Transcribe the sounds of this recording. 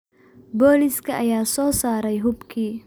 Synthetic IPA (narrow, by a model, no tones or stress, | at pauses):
boːlɪskʰɐʔɐjaːsɔːsaːɾɛjɦʊbkʰiː